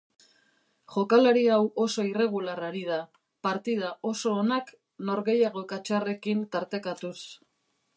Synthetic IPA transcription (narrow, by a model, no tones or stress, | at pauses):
ʝo̞kalaɾiawo̞so̞ire̞ɣ̞ularaɾiða | paɾt̪ið̞aʔo̞so̞ːnak | no̞ɾɣe̞jaɣo̞kat͡ʃare̞kint̪aɾt̪e̞kat̪us